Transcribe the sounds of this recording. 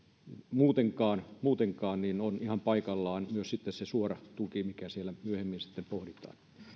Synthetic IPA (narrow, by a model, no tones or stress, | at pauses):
muːt̪eŋkɑːnmuːt̪eŋkɑːnninonihɑmpɑikɑlːɑːnmyøssit̪ːessesuorɑt̪ukimikæsielːˑæmyøhemːinsi̥t̪ːempohrit̪ˑɑ̰ːn